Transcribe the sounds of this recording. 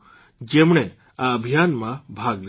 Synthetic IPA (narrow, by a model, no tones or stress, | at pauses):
d͡ʒemɳ̃e | aəbʱijanmãbʱaɡɾ